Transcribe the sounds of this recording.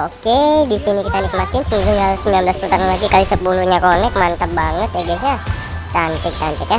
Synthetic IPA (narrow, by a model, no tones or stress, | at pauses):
okedisinikit̪anɪk̚mat̪ɪnsəmiɡuŋalsəmbilanmbəlaspulut̪aɾanlaɡikalisəpuluɲakonɛk̚mant̪əp̚baŋət̪̚abisɲa | t͡ʃant̪ɛk̚t͡ʃant̪ɛk̪ja